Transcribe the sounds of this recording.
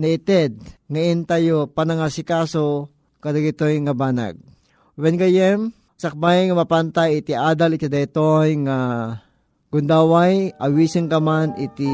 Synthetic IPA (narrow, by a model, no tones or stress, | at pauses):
nɐɪt̪ɛd̪̚ŋaint̪ajopanɐŋasɪkaːso | kɐd̪aɡit̪ojŋɐbaːna̰ɡ̚ | wɛnɡɐjɛm | sɐk̚bajŋɐmɐpant̪ajɪt̪iʔaːd̪alɪkad̪ait̪ojŋa | ɡ̥ʊnd̪awajʔɐwisɪŋkɐmanɪt̪i